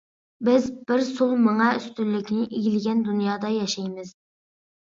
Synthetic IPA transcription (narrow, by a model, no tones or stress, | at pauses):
bɪzbɪɾsulˠmɨŋɑyst̪ylːɪkʲnɪʔiɡʲilɡʲɛnd̪unjɑːd̪ɑjɑʃɑjmɪz̥